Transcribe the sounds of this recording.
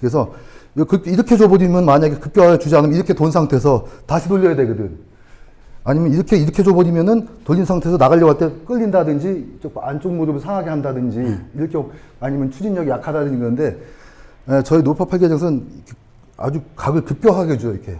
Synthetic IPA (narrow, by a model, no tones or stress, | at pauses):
kɯɾe̞s̬ʰʌkɯkʰiɾʌkʰe̞d͡ʑobʌɾimjʌnmaɲaɡekɯp̚k͈joɦajʌt͡ɕud͡ʑianɯmjʌiɾʌkʰe̞tonsʰaŋtʰe̞s̬ʰʌtaɕʰitoʎːʌjade̞ɡɯdɯn | aɲimjʌniɾʌkʰeiɾʌkʰe̞d͡ʑobʌɾimjʌnɯntoʎːinsʰaŋtʰe̞sʰʌnaɣaʎːʌwaɭt͈e̞k͈ɯʎːindadɯnd͡ʑit͡ɕ͈okʰant͡ɕ͈oŋmuɾɯbɯɭsʰaŋaɡe̞handadɯnd͡ʑiiɾʌkʰjaɲimjʌnt͡ɕʰud͡ʑinɲʌɡejakʰadadɯɲiɡʌnɯnde̞ | et͡ɕʌinopʰapʰaɭɡed͡ʑʌŋsʰɯnikʰe | a̰d͡ʑukaɡɯɭkɯp̚k͈jʌɦaɡed͡ʑujoiɾkʰe̞